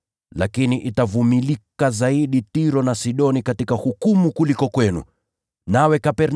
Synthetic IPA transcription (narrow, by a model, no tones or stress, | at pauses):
lakiniʔitavumilikazaiɗitiɾɔnasiɗɔnikatikahukumukulikɔkwɛnṵ | nawɛkapɛɾn